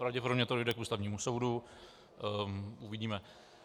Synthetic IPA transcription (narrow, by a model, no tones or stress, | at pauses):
pɾavɟɛp̬oɾomɲɛt̪odo̞jdɛkʔuːst̪avɲiːmuso̞wdu | uvɪɟiːmɛ